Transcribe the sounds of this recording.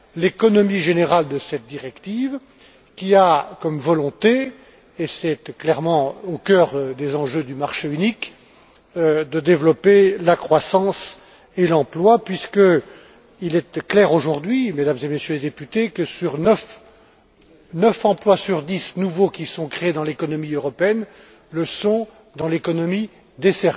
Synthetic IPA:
lekɔnɔmiʒeneʁald̪əsɛt̪̚d̪iʁɛkt̪iv | kʲiakɔmvɔlɔ̃t̪e | esɛt̪klɛʁmɑ̃okʲœːʁd̪ezɑ̃ʒød̪ymaʁʃeynik | d̪əd̪evlɔpelakχwasɑ̃s | elɑ̃plwapɥiskə | ilɛt̪klɛʁoʒuʁd̪ɥimed̪amzemesjøled̪epyt̪ekəsyʁnəf | nəfɑ̃plwasyʁd̪isnuvokʲisɔ̃kχeed̪ɑ̃lekɔnɔmiøʁɔpeɛn | ləsɔ̃ | d̪ɑ̃lekɔnɔmi | d̪esɛʁi

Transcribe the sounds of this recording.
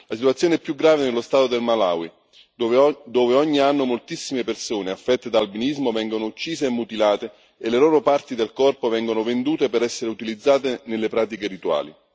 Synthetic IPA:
lasit̪wat̪sjoneɛpːjuɡɾaːvenelːost̪aːt̪od̪elmala̰ːwi | d̪oːveɔɲːianːomolt̪isːimepersoːneafːɛt̪ːed̪aːlbinizmovɛŋɡonout͡ʃːiːzeːmːut̪ilaːt̪e | eleloːɾopart̪id̪elkɔrpovɛŋɡonovend̪uːt̪epeɾɛsːeɾeut̪ilid̪zːaːt̪enelːepɾaːt̪ikeɾit̪wa̰ːlḭ

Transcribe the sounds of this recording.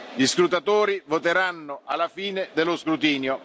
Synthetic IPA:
ʎiskɾut̪at̪oːɾivot̪eɾanːʊʔalːafiːned̪elːʊskɾut̪iːnjo

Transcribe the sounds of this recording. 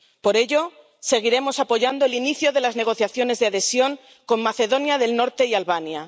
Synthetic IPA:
po̞ɾe̞ʎo̞ | se̞ɣ̞iɾe̞mo̞sapo̞ʝand̪oeliniθjoðe̞lazne̞ɣ̞o̞θjaθjo̞ne̞zðaðe̞sjo̞ŋ | ko̞mːaθe̞ðonjaðe̞lno̞ɾt̪e̞ialβanja

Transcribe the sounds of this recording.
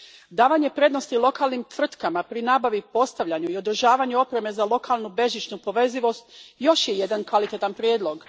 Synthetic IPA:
d̪aːʋaɲe̞pɾe̞d̪no̞st̪ilˠo̞kaːlˠnimt̪ʋr̩t̪kamapɾinaːbaʋipo̞st̪aʋʎaɲuio̞d̪r̩ʒaːʋaɲuo̞pɾe̞me̞zalˠo̞kʰaːlnube̞ʒit͡ʃnupo̞ʋe̞ziʋo̞st̪jo̞ʃje̞je̞d̪ankʋalit̪et̪anpɾjeːd̪lo̞ɡ

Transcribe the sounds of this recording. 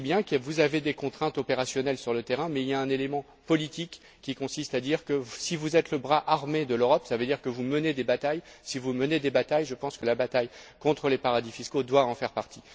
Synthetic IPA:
bjɛ̃kvuzaved̪ekɔ̃t̪χɛ̃t̪ɔpeʁasjɔnɛlsyʁlət̪eʁɛ̃mɛiljaɛ̃nelemɑ̃ | pɔlit̪ikː | ikɔ̃sist̪ad̪iʁkəsivuzɛt̪ləbʁaʔaʁmed̪əløʁɔpsavød̪iʁkəvuməned̪ebat̪ajsivuməned̪ebat̪ajʒəpɑ̃skəlabat̪ajkɔ̃t̪χəlepaʁad̪ifiskod̪waɑ̃fɛʁpaʁt̪ʰi̥

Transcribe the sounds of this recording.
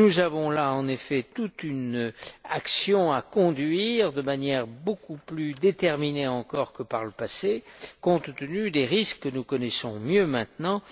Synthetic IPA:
nuzavɔ̃laɑ̃nefɛt̪ut̪ynaksjɔ̃akɔ̃d̪ɥiʁd̪əmanjɛʁbokuplyd̪et̪ɛʁmineɑ̃kɔʁkəpaʁləpasekɔ̃t̪ːənyd̪eʁiskːənukɔnɛsɔ̃mjømɛ̃t̪nɑ̃

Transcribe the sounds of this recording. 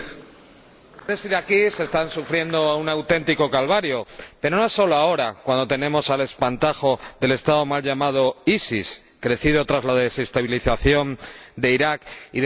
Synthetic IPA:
ðe̞siɾakise̞st̪ansufɾje̞nd̪o̞unawt̪e̞nt̪iko̞kalβaɾjo̞pe̞ɾo̞noesːo̞loao̞ɾakwand̪o̞t̪e̞nẽ̞mo̞sale̞spant̪axo̞ðe̞le̞st̪aðo̞malʎamað̞o̞isis | kɾe̞θiðo̞t̪ɾazlaðe̞se̞st̪aβiliθaθjo̞nd̪e̞iɾakið

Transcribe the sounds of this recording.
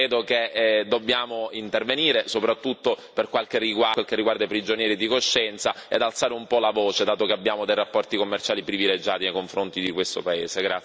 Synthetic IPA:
ɾeːd̪oked̪obːjaːmoint̪erveniːɾesopɾat̪ːut̪ːoperkwalkerːiɡwawalkerːiɡward̪aipɾid͡ʒonjɛːɾid̪ikoʃːɛnt̪saḛd̪alt̪saːɾeumpɔlavɔːt͡ʃed̪aːt̪okeabːjaːmod̪ejrapːɔrt̪ikomːert͡ʃaːlipɾiviled͡ʒaːt̪inejkoɱfɾont̪id̪ikwest̪o̰paḛːseɡɾa

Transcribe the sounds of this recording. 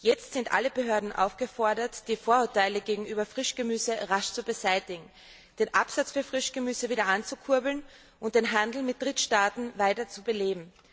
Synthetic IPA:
jɛt͡stz̥ɪntʔa̰ləbəɦøːɐdn̩ʔa̰ʊfɡ̥əfɔɐdɐtd̥iːfoːɐʊɐtaɪləɡeːɡŋ̩ʔyːbɐfʁ̥ɪʃɡ̥əmyːzəʁaʃt͡subəzaɪtɪɡŋ̩ | d̥eːnʔa̰pz̥at͡sfyːɐfʁ̥ɪʃɡ̥əmyːzəviːɾɐʔant͡sukʰʊɐbl̩n | ʔʊnt̚d̥eːnɦandl̩mɪt̚d̥ʁɪtʃtaːtn̩vaɪtɐt͡subəleːbm̩

